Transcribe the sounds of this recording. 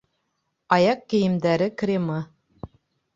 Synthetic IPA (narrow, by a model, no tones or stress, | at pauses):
ɑjɑqkɘ̆jɘ̆md̪æɾɘkrʲemɤ